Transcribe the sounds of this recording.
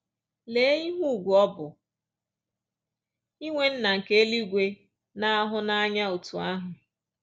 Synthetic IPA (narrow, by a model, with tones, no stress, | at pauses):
le˨˦i˦ɦu˦˨ɡʷu˨ɔ˦bʊ˨ | i˦ŋʷe˦n̩˦na˨ŋ̩˨ke˦e˦li˦ɡʷe˦ | na˦a˦ɦʊ˦na˦a˦ɲa˦o˨tu˨a˦ɦʊ˨